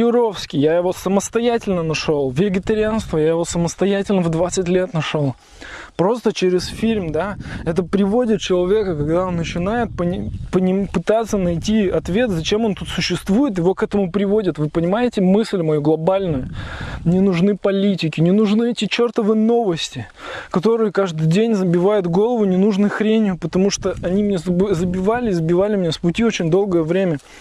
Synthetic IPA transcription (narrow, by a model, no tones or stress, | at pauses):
jɪɾo̞fskʲɪjajɪvo̞səməst̪ɐjætʲɪlʲnənɐʂo̞lˠvʲɪɡʲɪt̪əɾʲɪanst̪vəjajɪvo̞səməst̪ɐjætʲɪlʲnəvd̪vat̪sɨtʲlʲe̞t̪nɐʂolˠ | pɾo̞st̪ət͡ɕeɾʲɪsfʲilʲmd̪aɛt̪əpɾʲɪvo̞dʲɪt̪̚t͡ɕɪlˠɐvʲe̞kəkɐɡd̪aonːət͡ɕɪnajɪt̪̚pənʲɪpənʲɪpɨt̪at̪sːənɐjtʲiɐt̪vʲe̞t̪zɐt͡ɕe̞mo̞nt̪ut̪sʊɕːɪst̪vujɪt̪̬jɪvo̞kɛt̪əmʊpɾʲɪvo̞dʲɪt̪vɨpənʲɪmajɪtʲɪmɨsʲlʲmɐjuɡlˠɐbalʲnʊjʊnʲɪnʊʐnɨpɐlʲitʲɪkʲɪnʲɪnʊʐnɨɛtʲɪt͡ɕert̪əvɨjəno̞vəsʲtʲɪ | kɐt̪o̞ɾɨjəkaʐd̪ɨjdʲenʲzəbʲɪvajʊt̪ɡo̞lˠəvʊnʲɪnuʐnɨxɾʲenʲɪjʊpət̪ɐmuʂt̪oʔɐnʲimnʲezbzəbʲɪvalʲɪzəbʲɪvalʲɪmnʲespʊtʲiot͡ɕɪnʲd̪o̞lˠɡəjəvɾʲemʲə